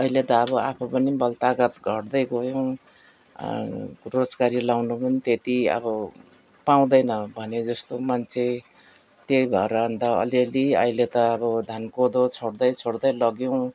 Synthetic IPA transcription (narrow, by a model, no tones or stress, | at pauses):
ʌilet̪ʌːβʌapʰʌpʌnibʌlt̪aɡʌt̪ɡʱʌʈd̪ʌjɡojow̃ | rod͡zkaɾilawnupʌnit̪et̪iʌ̰bʌ | paw̃d̪ʌjnʌbʱʌned͡zʌst̪omant͡sʰe | t̪jejbʱʌeɾʌːnd̪ʌʌ̰leliʌ̰jlet̪ʌːbʌd̪ʱankod̪ot͡sʰoɽd̪ʌjt͡sʰoɽd̪ʌjlʌɡjow̃